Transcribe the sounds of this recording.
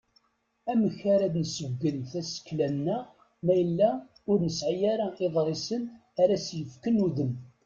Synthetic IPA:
æməçaɾæd̪nəsəvɡənθæsə̥kːlænːæ | mæjəlːæ | ʊɾnəsʕijaɾaeðˤɾˤɪsən | aɾæsjəfkənuðəm

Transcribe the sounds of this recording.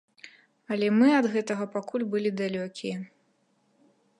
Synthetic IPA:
ɐlʲɛmɨɐd̪ɣɛt̪ɐɣɐpakʰulʲbɨlʲid̪alʲɔkʲijɐ

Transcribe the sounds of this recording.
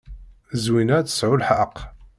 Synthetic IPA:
zwinæt͡sə̥sʕʊlħəq

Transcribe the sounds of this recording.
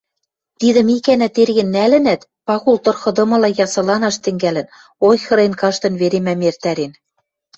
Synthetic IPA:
t̪id̪ɘ̆mikænæt̪erɣɘ̆nːælɘ̆næt̪ | pɑɣult̪ɤ̆rxɤ̆d̪ɤ̆mɤ̆lɑjɑsɤ̆lɑnɑʃt̪ɘ̆ŋɡælɘ̆n | ojxɤ̆ɾenkɑʃt̪ɤ̆nβeɾemæmert̪æɾen

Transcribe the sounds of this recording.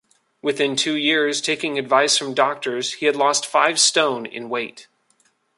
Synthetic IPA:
wɨθɪ̃ntʰʉjɪɹz̥tʰeɪkɪ̃ŋɨdvaɪsfɹʌ̃mdɔk̚tə˞z̥hiɨdˡlɔstfaɪv̥stõʊ̃nɪ̰̃nweɪt

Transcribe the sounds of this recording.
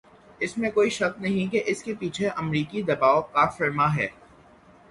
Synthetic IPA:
ɪsmẽkoːiʃɐknɐɦĩkeʔɪskepiːt͡ʃʰeʔɐmɾiːkid̪ɐbaːokafɪɾmaɦɛ̰ː

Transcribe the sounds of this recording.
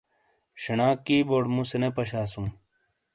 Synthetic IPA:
ɕɐnaːkːiːboːʈmũsenepɐɕaːsũ

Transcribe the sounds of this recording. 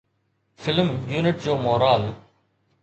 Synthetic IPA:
fɪlmjuːnɪʈ̚d͡ʑoːmoːɾaːl

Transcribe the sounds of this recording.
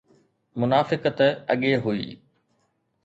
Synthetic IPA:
mʊnaːfɪkət̪ɐ̰ɠeɦuḭː

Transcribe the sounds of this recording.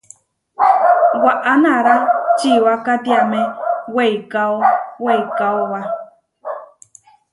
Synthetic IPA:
waʔanaɾat͡ʃiwakat̪iamẽwejkaowejkaowa

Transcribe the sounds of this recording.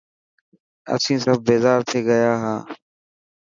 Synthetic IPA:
ə̰sĩːsəb̚ʱbeːzaːɾt̪ʰeːɡəjaːɦaː

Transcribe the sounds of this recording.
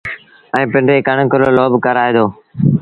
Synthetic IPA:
ɛ̃ːpɪ̃ɳɖeːkəɳkəloːloːbkəɾaːeːd̪oː

